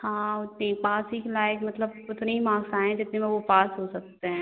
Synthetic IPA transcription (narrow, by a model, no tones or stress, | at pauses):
hãːʊt̪nepaːsikelaːjəkmɐt̪ləbʊt̪neimãːɡsãːẽd͡ʒɪt̪nemẽʋopaːsɦosɐk̚t̪eɦɛ̃ː